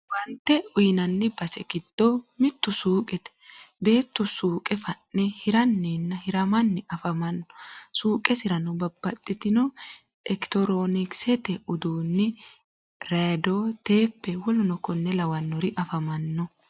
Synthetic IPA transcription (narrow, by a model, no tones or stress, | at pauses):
wɐnt̪ːɛʊjnɐnːɪbɐsɛɡɪd̪̥ːoːmɪt̪ːʊsuːkʼɛt̪ɛ̥be̞ːt̪ːʊsuːkʼɛfɐnːɛhɪɾɐnːiːnːɐhɪɾɐmɐnːɪɐfɐmɐnːɔ̥suːkʼɛsɪɾɐnɔbɐbːɐt̪ʼːɪt̪ɪnɔ | ɛkt̪ɔɾoːnɪksɛt̪ɛʊd̪uːnːɪ | ɾaːd̪oːt̪e̞ːpːɛwɔlʊnɔkɔnːɛlɐwɐnːɔɾɪʔɐfɐmɐnːɔ